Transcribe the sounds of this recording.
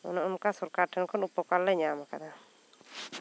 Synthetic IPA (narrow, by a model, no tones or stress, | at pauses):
ɔ̰naʊnkasuɾkatɛnkɔnupːɔkalːɛɲamakad̪a